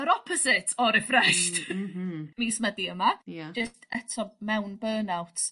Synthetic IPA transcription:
əɾɔpʰɔsɪtʰɔɾɪfrɛʃt | miːsmədiəmajd͡ʒɪstɛtʰɔmɛwnbəːnawtʰ

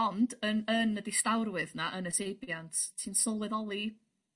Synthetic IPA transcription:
ɔndənənədistawɾwɨðnaʔənətʰejbjantʰtʰinsɔlˠɛðɔlˠi

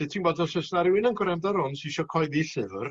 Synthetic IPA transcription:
ɨtʰinbɔːdɔsəsnaɾɪwɪnənɡʊɾɛmdaɾʊnsiʃɔkʰɔɨðiɬɨvr

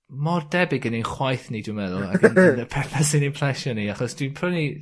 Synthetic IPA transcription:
mɔrdɛbɪɡənenχwajθnidwimɛðʊlˠa̰ɡənnəpʰɛθasinenpʰl̥ɛʃɔniaχɔsd̥winpʰrɔwni

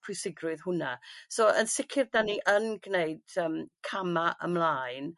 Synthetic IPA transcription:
pʰrɨsɪɡrʊɨðhʊnasoːʔənsɪkʰɪrdaniʔənɡneɨd̥əːmkʰamaʔə̰mlˠaːɨn

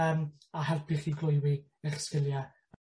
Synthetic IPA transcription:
əm | aɦɛlˠpʰɪχiɡlˠʊjwɪ | ɛχskɪlˠja

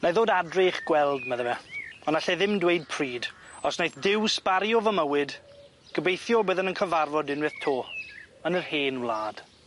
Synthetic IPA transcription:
naðoːdadreχɡ̥wɛlˠdmaðəvɛɔnaɬɛðɪmdwejd̚pʰriːd | ɔsnajθdɪwspaɾjɔvəməwɪd | ɡ̥əbejθjɔbəːðənənkʰəvarvɔdɪnwɨθtʰoːənərheːnvlˠaːd̥

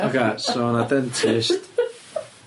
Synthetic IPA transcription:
okʰesonad̪ɛntʰɪst

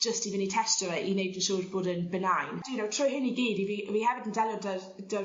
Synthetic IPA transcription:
ʒ̥əstivɪnitʰɛstɔɾəʔinejbdənʃoːrboːdənbənajndnowtʰrʊjɦɪniɡiːdiviʔviːhɛvɪdəndɛlˠjɔdə | d̥ə

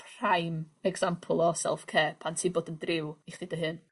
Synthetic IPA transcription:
pʰrajmɛɡz̥ampʰlˠɔsɛ̰lˠfkʰeːpʰantʰiːboːdəndrɪwiχd̥idəɦɨn

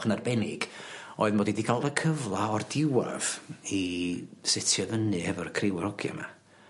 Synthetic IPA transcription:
χnarbɛnɪ̰ɡ̥oːɨðmɔːdidikʰalˠdəkʰəvlˠaɔrdɪwa̰v̥isɪtʰjɔðənɨɛvɔrkʰrɪwɛɾɔɡja̰ma̰

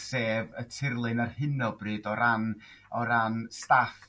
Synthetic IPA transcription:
seːvətʰɪrlˠɨnarhɪnɔbrɨːdɔɾan | ɔɾanstaf

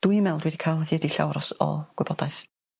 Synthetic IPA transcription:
d̥uɨjmɛlˠdwɛdikʰaːlˠðjɛdiɬa̰wɾɔsɔ̰ɡ̥wɪb̥ɔd̥aɨθ

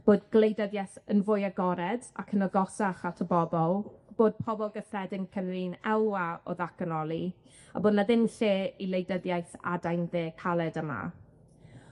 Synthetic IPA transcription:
b̥oːdɡlˠejdəðjajθənvʊjaɡɔɾɛda̰kʰənəɡɔsaχatʰəbɔbɔlˠb̥oːd̚pʰɔbɔlˠɡəθrɛdɪnkʰənliːnɛlˠwaɔ̰ðakənɔlˠi | a̰boːdnaðɪnɬeːilˠejdəðjajθa̰dajnðeːkʰalˠɛdəma̰

